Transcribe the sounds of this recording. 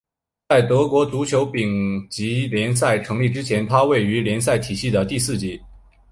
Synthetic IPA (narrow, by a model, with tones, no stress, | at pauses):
t͡sa˥˩ɪt̪ɤ˧˥kwɔ˧˥t͡su˧˥t͡ɕʰjo˧˥ʊpi˨˩ŋt͡ɕi˧˥ljɛ˧˥ns̬a˥˩ɪʈ͡ʂʰɤ˧˥ŋli˥˩ʈ͡ʂɻ̩˥t͡ɕʰjɛ˧˥nt̪ʰa˥we˥˩ɪy˧˥ljɛ˧˥nsa˥˩ɪt̪ʰi˨˩ɕi˥˩d̪ə˩t̪i˥˧sɹ̩˥˩t͡ɕi˧˥